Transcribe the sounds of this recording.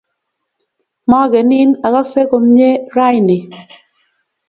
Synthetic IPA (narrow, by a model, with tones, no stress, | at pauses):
mɔ˦ɡɛ˨nɪ˦na˨ka˦se˦ko˨mɲe˦ɾa˦jnɪ˨